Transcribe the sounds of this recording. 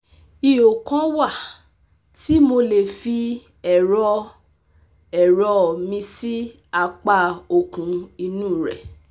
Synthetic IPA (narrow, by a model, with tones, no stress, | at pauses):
i˧o˨kã˦wa˦˨ | ti˦mo˧le˨fi˧ | ɛ˨ɾɔ˧ | ɛ˨ɾɔ˧˨mĩ˧si˦ | a˧k͡pa˧o˧˨kũ˨˦i˧nũ˦˨ɾɛ̰˨